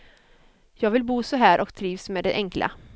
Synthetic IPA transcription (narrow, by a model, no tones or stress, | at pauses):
jɑːɡvɪlbuːsɔɦæːɾʔɔkt̪ʰɾiːvsmeːd̪ɛʔɛŋklʔa̰